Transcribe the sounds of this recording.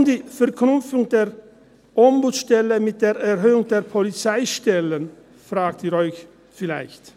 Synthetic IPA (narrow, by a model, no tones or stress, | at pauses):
mdiːfɛɐkʰnʊmp͡fʊŋdeːʁ | ʔɔmbut͡sʃtɛləmɪt̚d̥eːʁɛʁɦøːʊŋdeːɐpʰɔlit͡saɪʃtɛlən | fʁaːktiʁɔʏç | fɪlaɪçt